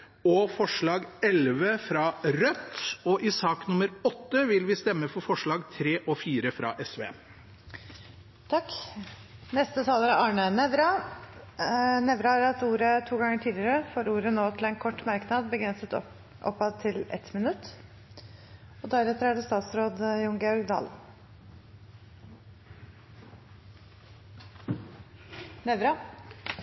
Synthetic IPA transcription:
ɔfɔʂɭɑːɡɛlʋəfɾɑːɾœt̪ːɔʔɪsɑːknʊməɾɔt̪ːəʋɪlʋɪst̪ɛmːəfɔɾfɔʂɭɑːɡt̪ʰɾeːʔɔfiːɾəfɾɑ̰ʔɛsʋḛː | t̪ʰɑkː | nɛst̪ət̪ʰɑːləɾɑɑːɳənɛʋɾɑ | nɛʋɾɑɾɑt̪uːɾət̪ʰuːɡɑŋːəʈʰiːd̪lɪəɾəfoːɾuːɾənoːt̪ʰɪlɛːnkʰɔʈːmɑɾknɑd̪̚bəɡɾɛnsət̪ | ʔɔ̰pːɑd̪̚t̪ʰɪlɛ̰t̪mɪnʉt̪ː | ɔd̪æɾɛt̪ːəɾæɖɛst̪ɑːt̪sɾoːd̪jʊŋɡɛɔɾɡd̪ɑ̰ːl | nɛʋɾɑ

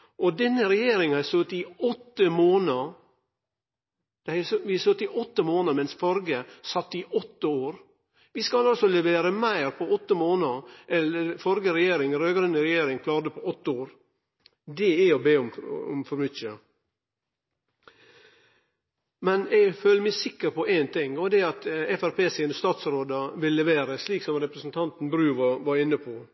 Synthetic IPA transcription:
ʔɔd̪ɛnːəɾɛjeːɾɪŋæɪsøt̪ɪɔt̪ːəmoːnə | d̪̥ɛæsʋɪsøt̪ːɪʔɔt̪ːəmoːnəmɛnsfɔɾɡəsɑt̪ːəiʔɔt̪ːəoːɾ | ʋɪskɑlɑlsɔlɛʋeːɾəmæɪɾpʰɔɔt̪ːəmoːnəʔɛləfɔɾɡəɾɛjeːɾɪŋɾøːɡɾɛnəɾɛjeːɾɪŋkʰlɑːɾəpʰɔɔt̪ːəoːɾ | d̪ɛɛɔbeːɔmɔ̰mfɔɾbʏtə | mɛnɛɡføːləmæsɪkːəɾpʰɔʔæɪnt̪ʰɪŋɔd̪ɛɑt̪ɛfæɾpʰeːsɛənəst̪ɑːt̪sɾoːd̪ɑʋɪlːɛʋeːɾəsliːksɔmɾɛpɾəsn̩t̪ʰɑnt̪n̩bɾʉːʋɑʋɑɾɪnːəpʰɔ

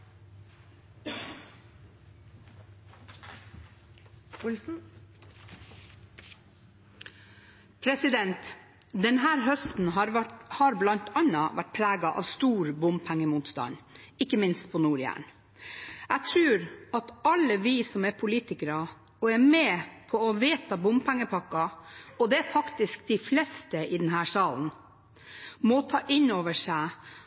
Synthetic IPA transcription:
ʊls̩ | pʰɾɛsɪd̪ɛnt̪ | d̪ɛnɦæːɾɦœst̪n̩ɦɑhɑːɾblɑnt̪ʰɑnɑʋæʈ̚pʰɾæːɡɑʔɑ̰ːʋst̪uːɾbʊmpʰæŋːəmuːt̪st̪ɑ̰nɪkːəmɪnst̪̚pʰɔnuːɾjæ̰ːɳ | æt̪ʰɾʉːɾɑt̪ɑlːəʋiːsɔmɛɾpʰʊliːt̪ɪkəɾɑ | ɔɛɾmɛpʰɔɔʋeːt̪ɑbʊmpʰæŋːəpʰɑkːɑɔd̪ɛæɾfɑkt̪ɪsk̚d̪ɪflɛst̪əʔɪd̪ɛnɦæːʂɑːln̩ | mɔt̪ʰɑːʔɪnoːʋəʂæɪ

